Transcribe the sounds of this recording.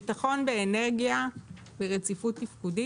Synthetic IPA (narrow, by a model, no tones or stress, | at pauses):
taχo̞nbeːneʁɡija | beʁet͡sifut̪ːifkudi